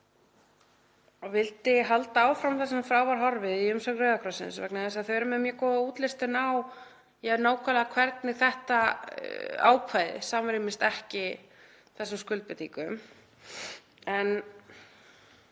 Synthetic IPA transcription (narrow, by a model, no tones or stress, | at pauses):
ɔvɪlt̪ɪɦalt̪aaːwfɾawmθɛsamfɾaːwvaɾɦɔɾvɪðiʏmsœɣrœðakʰɾasɪ̰nsvɛknaɛsaðθœɛɾʏmɛðmjɛkɔðuːt̪lɪst̪ɪnaːw | jɛɾnaːwkʰvaːlðakʰvɛɾt̪nɪɣθɛht̪a | a̰ːwkʰvajðɪ̰saːmaɾɪmɪnst̪ɛhcɪ | θɛsːamskʏlt̪̚pɪt̪ikʏ̰m | ɛn